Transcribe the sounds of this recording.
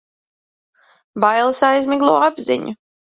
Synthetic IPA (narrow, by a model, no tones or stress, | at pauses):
bajlˠsajzmʲiɡlˠuɔabzḭɲṵ